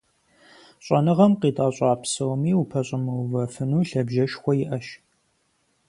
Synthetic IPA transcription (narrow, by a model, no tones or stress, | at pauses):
ɕʷʼɐnɨʁɐmqiːtʼaːɕʼɑːpsɐwmiːupʰɐɕʼɪmɐwvɐfɨnuːɬɐbʒɐʃxʷɔjɪʔɐʃ